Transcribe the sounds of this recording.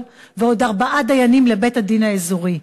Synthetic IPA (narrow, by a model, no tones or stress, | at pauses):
veo̞d̪aʁbaʔad̪ajanimle̞be̞thad̪inaezuʁi